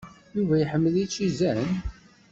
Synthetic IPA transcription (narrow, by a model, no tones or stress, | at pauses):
juvæjħəmːəlit͡ʃːizæn